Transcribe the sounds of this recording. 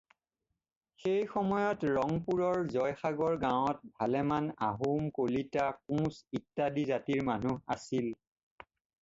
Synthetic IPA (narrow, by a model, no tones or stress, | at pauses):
xejxɔmɔjɔtɹɔŋpuɹɔɹzɔjxaɡɔɹɡawɔt̚bʱalɛmana̰ɦumkolitak̚ũsitːadizatiɹmanua̰sil